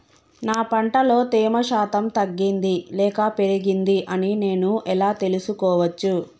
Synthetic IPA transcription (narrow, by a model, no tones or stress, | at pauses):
naːpɐɳʈɐlo̞ːt̪iːmɐʃaːt̪ɐmt̪ɐɡːind̪ilɛːkɐpe̞ɾiɡind̪iʔɐnine̞ːnuʔɛlaːt̪e̞lusukɔːʋɐt͡ʃːu